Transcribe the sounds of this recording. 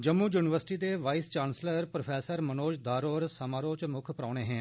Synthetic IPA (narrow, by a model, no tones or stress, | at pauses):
d͡ʒəmːuːjuːnɪʋəɾsɪʈiːd̪eːʋaːist͡ʃaːnsləɾpɾopʰɛːsəɾmənoːd͡ʒd̪aːɾoːɾsəmaːɾoːt͡ʃmʊkʰpɾaːɽ̃eːɦɛ̃ː